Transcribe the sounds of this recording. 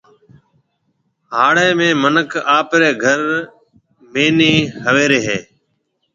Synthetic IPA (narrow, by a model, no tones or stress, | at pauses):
ɦaːɽeːmẽːmənəkʰaːpɾeːɡʱəɾ | meːniːhəʋeːɾeːɦeː